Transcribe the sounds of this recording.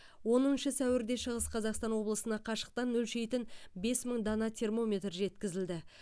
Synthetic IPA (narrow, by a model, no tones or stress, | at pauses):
wo̞nənʃəsæwɪɾd̪e̞ʃəʁəsqʰɑzɑqst̪ɑnwo̞blˠəsənɑqʰɑʃə̥q̚t̪ɑnːɵlʃejt̪ɪnbe̞sməɴd̪ɑnɑt̪ʲʰe̞rmo̞mʲe̞t̪ɾʒe̞t̪kʲɪzɪld̪ɪ